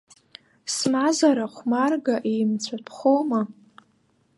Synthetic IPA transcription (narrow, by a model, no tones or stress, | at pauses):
smazaɾaχʷmarɡaʔejmt͡sʷʰapʰχʷoma